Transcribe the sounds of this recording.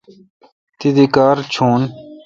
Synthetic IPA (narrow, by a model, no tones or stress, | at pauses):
t̪id̪ikaːɾt͡ɕʰuːn